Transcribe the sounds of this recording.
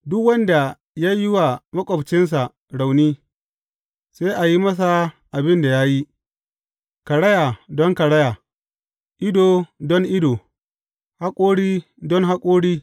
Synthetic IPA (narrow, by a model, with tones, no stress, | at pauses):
dʊ˦kwɐ˦nda˨ | ja˦jɪ˦wa˨mɐ˦kʷʼɔ˨bt͡ʃɪ˦ns̬a˨ | ɽa˨wniː˦ | seː˦ʔa˨ji˦mɐ˦s̬a˨ | ʔa˨bɪ˦nda˨ja˦ji˦ | kɐ˨ɽɐ˦ja˨dɔ˦ŋkɐ˨ɽɐ˦ja˨ | ʔɪ˦doː˨dɔ˦ŋʔɪ˦doː˨ | ha˦kʷʼoː˦ɽiː˦ | dɔ˦ŋɦa˦kʷʼoː˦ɽiː˦